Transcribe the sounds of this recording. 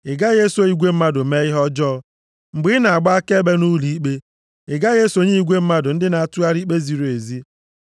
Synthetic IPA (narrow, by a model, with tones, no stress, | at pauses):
ɪ˨ɡa˦ɣe˦so˨i˨ɡʷe˦m̩˦ma˦dʊ˨me˦ɪ˦ɦɔ˦d͡ʒɔ˦ | ŋ͡m̩˨ɡ͡bi˦na˨a˨ɡ͡ba˦ke˦be˦nu˦li˨i˦k͡pe˦ | ɪ˨ɡa˦ɣe˦so˨ɲi˦i˦ɡʷe˦m̩˦ma˦dʊ˨n̩˦dɪ˦na˨a˨tu˦a˦ɾi˦k͡pe˦zi˨ɾo˨e˨zi˦